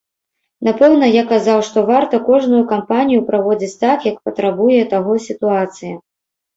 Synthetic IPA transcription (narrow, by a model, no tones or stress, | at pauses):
napɛwn̪ɐjakazawʂt̪ɔvart̪ɐkɔʐnujukampanʲijupɾavɔd͡zʲit͡sʲt̪akjɐkpɐt̪ɾabujɛt̪aɣɔsʲit̪uat̪sɨjɐ